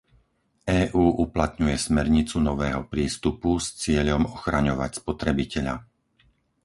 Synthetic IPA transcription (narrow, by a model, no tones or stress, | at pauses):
ɛːʔuːʔuplat̪ɲujɛsmɛɾɲit͡sunɔʋɛːɦɔpɾiːst̪upust͡sɪɛʎɔmɔxɾaɲɔʋa̰cspɔt̪ɾɛbicɛʎa̰